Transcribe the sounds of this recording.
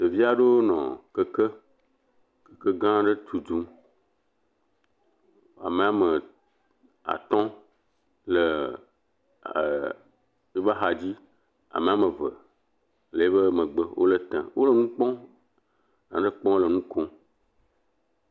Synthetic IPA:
t̪e˨vi˦a˦ɖe˦wo˦nɔ̰̃˨kə˦kə˦ | kə̥˨kə˦ɡã˦ɖə˦t̪u˨d̪ũ˦ | a̰˨mẽ˨a˨mə̃˨ | a̰˨t̪ɔ̃˦ | lə˨ | mi˦ba˦ɦa˨d͡ʑi˦ | a̰˨mẽ˨a˨mə̃˨və˨ | le˨e˦βə˦mə̃˨ɡ͡bə˦wʔo̰˦lə˦t̪ã̰˨wʔo˦lə˦nũ˦k͡pɔ̃˦ | ã̰˨ɖə˦k͡pɔ̃˦lə˨nũ˦kɔ̃˦

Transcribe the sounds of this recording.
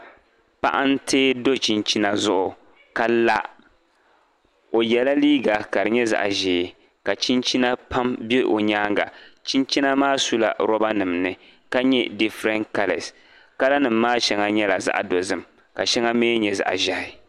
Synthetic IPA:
pa̰˦ʔa˦n˦tʰeː˦do˦t͡ʃi˦nt͡ʃi˦na˦zʊ˦ʔʊ˨ | ka˦la˦ | o˨jɛ˨la˦liː˦ɡa˨ka˨ɾɨ˨ɲɛ˦za̰˨ʔa̰˨ʒeː˨ | ka˨t͡ʃi˦nt͡ʃi˦na˦pʰa˦mbe˦ʔo˨ɲaː˦ŋɡa̰˨t͡ʃi˦nt͡ʃi˦na˦maː˦su˦la̰˨ɾɔ˦ba˦nɨ˨mnɨ˦ | ka˦ɲɛ˦di˦fɾɛ˦nka˦lɛ̰˨s | ka˦la˦nɨ˨mːaː˦ʃɛ˦ŋa˦ɲɛ˦la˨za̰˦ʔa̰˨do˨zɨ˦m | ka˨ʃɛ˦ŋa˦meː˦ɲɛ˨za̰˨ʔa̰˨ʒa˨˦ɪ˨

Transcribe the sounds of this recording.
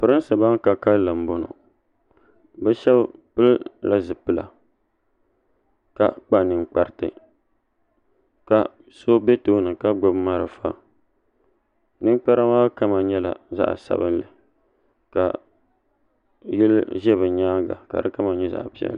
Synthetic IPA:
pɨ˨ɾɨ˦sɨ˨ba˦ŋ˦ka˨ka˦llɨ˨m̩˨bo˦no̰˨ | bɛ˦ʃɛ˦bpɨ˦lla˦zɨ˨pɨ˦la̰˨ | ka̰˨k͡pa˦nɨ˨ŋk͡pa˦ɾtɨ̰˦ | ka˨ | so˦bɛ˦toː˦nɨ˨ka˦ɡ͡bo˦bma˦ɾɨ̰˨fa̰˦ | nɨ˦ŋ˦k͡pa˦ɾa˦maː˦ka˦ma˨ɲɛ˦la̰˨za̰˦ʔsa̰˨bɨ˦nlɨ˨ | ka̰˨ | jɛ˦lʒɛ˦βɨ˨ɲaː˦ɡa̰˨ka̰˨dɨ˦ka˦ma˨ɲɛ˦za̰˨ʔpi˦ɛ̰˨l

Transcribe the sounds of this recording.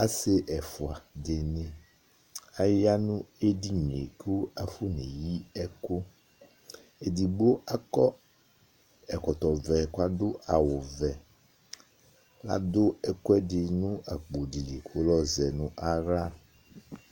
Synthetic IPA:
a˦se˦ʔɛ˨fʊ˨a˨dɪ˨nẽ˨ | a˨ja˦nũ˦e˦di˦ɲ˨ḛ˨ko˦a˦fʊ˦ne˨ji˦ɛ˦ko˦ | e˨di˨ɡ͡bo˦a˦kɔ˦ | ɛ˨kɔ˨t̪ɔ˨vɛ˨kʊ˦a˦d̪ʊ˦a˨wʊ˨vɛ˨ | la̰˦d̪ʊ˦ɛ˨kʊ˦ɛ˦dɪ˨nũ˦a˨k͡po˨di˨di˨kʰo˦lɔ˦zɛ˨nũ˦ʔa˦ɾa˦

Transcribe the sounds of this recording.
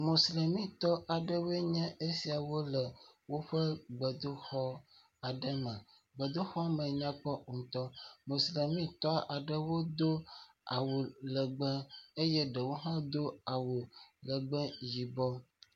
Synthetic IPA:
mo˨sle˨mĩ˦t̪ɔ˦ʔa˨ɖə˦we˦ɲɛ̃˦ʔe˦si˨a˨wo˦lə˨wo˦ɸə˦ɡ͡bə˨d̪o˦xɔ˦ | a˨ɖə˦mɛ̃˨ | ɡ͡bə˨d̪o˦xɔ˦a˦mɛ̃˨ɲã˦k͡pɔ˦˨t̪ɔ˦mo˨sle˨mĩ˦t̪ɔ˦a˨ɖə˦wo˦d̪o˦ | a˨wo˨lə˨ɡ͡bə̃˦e˦je˦ɖə˨wo˦ɦã˦d̪o˦a˨wo˨lə˨ɡ͡bɛ˦ji˨bɔ˦

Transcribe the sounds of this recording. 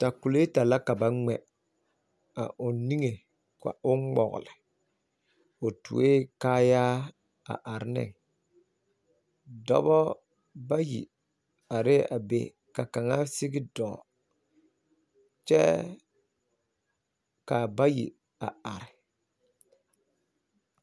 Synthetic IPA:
ta˨ku˨le˦ta˨la˦ka˨ba˨ŋ͡mɛ˨ | a̰˨ʔʊ˨ni˦ŋe˨ | ka̰˨ʊ˦ŋ͡mɔ̰˨ɣʊ̰˨lɪ˨ | o˨tṵ˨e˦kaː˦jaː˦ | a̰˨ʔa˨ɾɪ˦nɪ̰˦˨ŋ | dɔ̰˦bɔ˦ | ba˦jḭ˨ | a˨ɾɪ˦ʔa̰˨bḛ˨ | ka˨ka˨ŋa˦si˦ɡɪ˦dɔ̃ː˨ | t͡ʃɛ̰˦ | ka˨ba˦jḭ˨ | a˨a˨ɾɪ˨

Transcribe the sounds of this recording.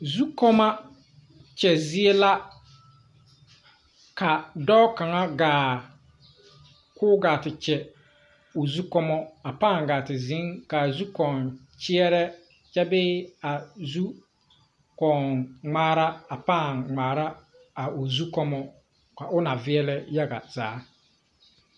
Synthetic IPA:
zu˦kɔ˦ma˦ | t͡ʃɛ˨zɪ˦e˦la˦ | ka˨dɔ˦ka˨ŋa˦ɡaː˨ | kʊː˦ɡaː˨tɪ˨t͡ʃɛ˨ | ʊ˨zu˦kɔ˦mɔ˦a˨paː˦˨ŋɡaː˨tɪ˨zɪ˨˦ŋka˨zu˦kɔ˨n | t͡ʃɪ˦ɛ˦ɾɛ˦ | t͡ʃɛ˦bɪː˦a˨zu˦ | kɔ˨ŋŋ͡maː˦ɾa˦a˨pa˦˨ŋŋ͡maː˨ɾa˦ | a˨ʊ˨zu˦kɔ˦mɔ˦ | ka˨ʔʊ˦na˨vɪ˦ɛ˦lɛ˦ja˦ɡa̰˨z̥aː˨˦

